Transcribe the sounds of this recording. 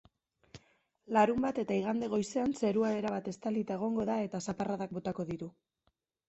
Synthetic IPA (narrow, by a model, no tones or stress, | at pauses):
laɾumbat̪e̞t̪aiɣ̞and̪e̞ɣo̞jse̞anse̞ɾuae̞ɾaβat̪e̞st̪alit̪ae̞ɣ̞o̞ŋɡo̞ðae̞t̪asaparaðak̚bo̞t̪ako̞ðiɾu